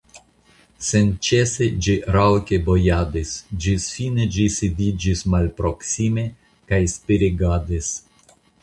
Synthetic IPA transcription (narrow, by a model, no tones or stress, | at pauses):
sent͡ʃesed͡ʒiɾawkebojadisd͡ʒisfined͡ʒisid̪id͡ʒismalpɾo̞ksime̞ | kajspiɾiɡad̪is